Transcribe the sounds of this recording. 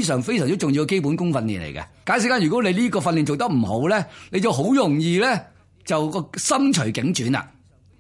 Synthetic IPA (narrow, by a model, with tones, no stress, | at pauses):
s̬œː˨˩ŋfe˥jsœː˨˩ŋ˥t͡sʊ˨ŋji˧wkɐ˧ke˥jp̬u˨˥nkʊ˥ŋfɐ˧nlḭː˨nlḛ˨˩jkɐ̰˧kaː˨˥nsi˨˥kaː˥jy˨kɔ˨˥nle˨˧jliː˥kɔː˧fɐ˧nli˨nt͡so˨wt̪ɐ˥k̚m̩˨˩ho˨˥wlɛː˥ne˨˧jt͡sɐ˨˩wɦo˨˥wjʊ˨˩ŋjiː˨˧lɛː˥ | t͡sɐ˨wkɔː˧sɐ˥mt͡ʃʰɵ˨˩ɥkɪ˨˥ŋt͡ʃyː˨˥na̰ː˧